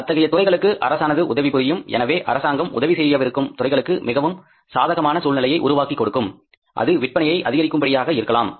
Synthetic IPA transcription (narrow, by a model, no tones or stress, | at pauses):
ɐt̪ːɐɣɐjɐt̪ʊrɐɪɣɐɭɯkːɯʔɐ̰ɾɐsaːnɐðɯʔʊðɐʋipʊðɪjɯmɛ̰nɐʋeːʔɐ̰ɾɐsaːŋɡɐmʊ̰ðɐʋisɛjɪjɐːʋɪɾɯkːɯmt̪ʊrɐɪɣɐɭɯkːɯmɪɣɐʋɯm | saːðɐɣɐmaːnɐsuːlnɪlɐjɐɪʔʊɾʊʋaːkikːɔɽɯkːɯm | ʔɐ̰ðɯʋɪʈ̚pɐnɐjɐɪʔɐðɪɣɐɾɪkːɯmbɐɽɪjaːɣɐɪɾɯkːɐlaːm